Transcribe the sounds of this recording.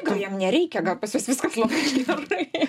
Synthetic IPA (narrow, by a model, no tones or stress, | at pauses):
ɡɐlˠjɛmnʲɛɾʲɛɪkʲɛɡɐlˠpɐsʋʲɪsʋʲɪskɐslˠomɐʃt̪ʲɐɪ